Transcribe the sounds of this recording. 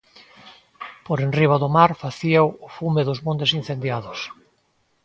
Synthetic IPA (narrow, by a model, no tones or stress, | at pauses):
poɾenriβ̞aðʊmaɾfaθiawʊfumeðʊzmõnt̪ɪsin̟θend̪jaðʊs